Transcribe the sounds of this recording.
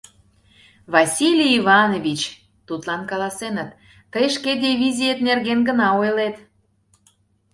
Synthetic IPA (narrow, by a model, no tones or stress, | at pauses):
βɑsʲilʲiiβɑnovʲit͡ɕ | t̪ut̪lɑnkɑlɑsenət̪ː | əjʃked̪ʲiβʲizʲijet̪nerɣenɡənɑojlet̪